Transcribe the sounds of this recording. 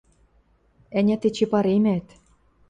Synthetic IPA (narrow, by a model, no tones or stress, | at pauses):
ænʲæt̪et͡ɕepɑɾemæt̪